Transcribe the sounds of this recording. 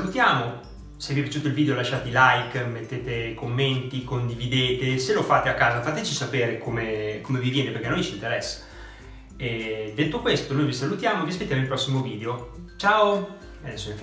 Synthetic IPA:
lut̪jaːmo | sevifʲjat͡ʃut̪oilviːd̪eolaʃːaːt̪eilajkmet̪ːeːt̪ekomːent̪ikond̪ivid̪eːt̪eselofaːt̪eakːaːzafaːt̪et͡ʃisapeːɾekomekomevivjɛːnepeɾrkenojt͡ʃint̪eɾɛsːḁ | ed̪et̪ːokwest̪onojvisalut̪jaːmoviaspet̪jamoilpɾɔsːimoviːd̪eot͡ʃaːo | ad̪ɛsːoĩf

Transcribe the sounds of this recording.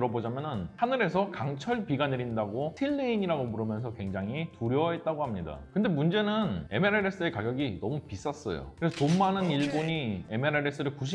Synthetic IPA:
ɾʌbod͡ʑamjʌnɯnhanɯɾe̞sʰʌkaŋt͡ɕʰʌɭpiɡanɯɾindaɡoɕʰiɭːeiɲiɾaɡomuɾɯmjʌnsʰʌkwe̞ŋd͡ʑaŋɦituɾjʌɦe̞t̚t͈aɡohamɲida̰kɯnde̞mund͡ʑe̞nɯne̞meɾeɾe̞s͈ɯe̞kaɡjʌɡinʌmupis͈ʌs͈ʌ̰jo̰kɯɾe̞sʰʌtomːanɯniɭboɲie̞meɾeɾe̞s͈ʰɯɾɯɭkuɕ̬ʰi

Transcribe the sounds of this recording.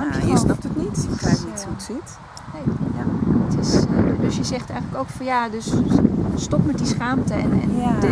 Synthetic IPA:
isnɔp̚tətnititutsit | nejaətɪsdøsjəzɛχtɛjχənləkowkfɑnjadøsstɔpmɛt̚disχaːmtəɛ̰nɛ̰n

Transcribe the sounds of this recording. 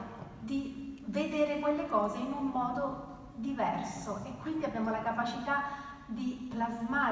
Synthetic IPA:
d̪ived̪eːɾekwelːekɔːzeinumːɔːd̪o | d̪ivɛrsoʔekːwind̪iabːjaːmolakapat͡ʃit̪a | d̪iplazmaː

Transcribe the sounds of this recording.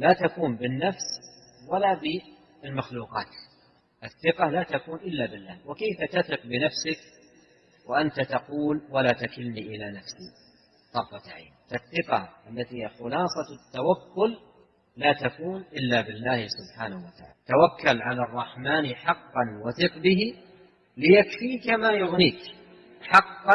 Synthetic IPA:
laːt̪akuːmbɪnːafs | walabɪ | ɪlmaxluːqɑːt̪ | ʔɪθːɪqɑlat̪akuːnʔɪlːabɪlːaːhwɪkejfat̪aθɪq̚bɪnafsɪk̚ | waʔant̪at̪ɑquːlwalaːt̪akɪlniʔɪlanafsi | t̪ˤɑfɑt̪aʕa̰ːnfaθːɪqɑ̰ʔalːat̪iaxʊlɑːsˤɑt̪ːawakːʊlː | aːt̪akuːnʔɪlːabɪlːaːhɪsʊbħaːnahwat̪aʕa̰ːlt̪awakːalʕalarˤːɑħmaːnħɑqːɑnwaθɪqbɪɦi | lɪjakfiːkamajʊɣniːk | ħɑqːɑ

